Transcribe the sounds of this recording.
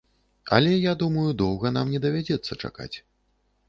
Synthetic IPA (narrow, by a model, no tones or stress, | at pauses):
ɐ̰lʲɛjad̪umɐjud̪ɔwɣɐnamnʲɛd̪ɐvʲad͡zʲɛt̪sːɐt͡ʂa̰ka̰t͡sʲ